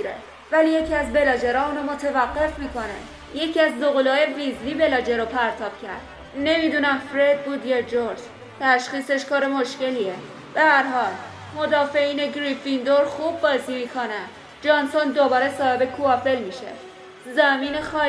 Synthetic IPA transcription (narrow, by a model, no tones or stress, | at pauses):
ɾḛ | væliːje̞cʰiæzbe̞lɒːd͡ʒe̞ɾɒuːnɔmot̪ʰevæɢːe̞fmiːko̞nḛ | je̞cʰiæzd̪oɣolɒːjevizliːbe̞lɒːd͡ʒeɾɔpʰæɾt̪ʰɒːb̥cʰæ̰ɾd̪̥ | ne̞miːd̪unæmfɾed̪̚buːd̪jed͡ʒoɾs | t̪ʰæʃxiːse̞ʃkɒːɾemo̞ʃce̞lie | b̥ehæɾɦɒːl | mo̞d̪ɒːfe̞iːne̞ɡɾipːind̪oɾxubːɒːzimiːkʰo̞næd̪ | d͡ʒɒːnsond̪o̞bɒːɾe̞sɒːhe̞be̞kʰuɒːfe̞lmiːʃḛ | zæmiːnexɒː